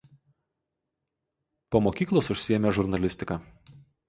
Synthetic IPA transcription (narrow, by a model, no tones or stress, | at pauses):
poːmoːkʲiːklˠoːsʊʃʲsʲɪjɛmʲɛʒʊɾnɐlʲɪsʲt̪ʲɪkɑː